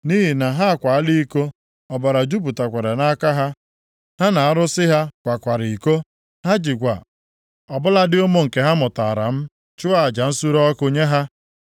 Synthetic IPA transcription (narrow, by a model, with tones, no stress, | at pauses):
ni˦ɦi˨na˨ɦa˦a˨kʷa˨a˦li˦i˦ko˦ | ɔ˨ba˨ɾa˨d͡ʒu˦b̬u˨ta˨kʷe˨ɾe˨na˦ka˦ɦa˦ | ha˦na˨a˦ɾʊ˦sɪ˦ɦa˦kʷa˨kʷa˨ɾi˨i˨ko˦ | ha˦d͡ʒi˨kʷa̰˨ | ɔ˨bʊ˦la˦dɪ˦o˦mo˦ŋ̩˨ke˨ɦa˦mʊ˨ta˨a˨ɾa̰˨m̩˦ | t͡ʃʊ˦a˦a˨d͡ʒa˨n̩˦su˦ɾɔ˦kʊ˨ɲe˦ɦa˦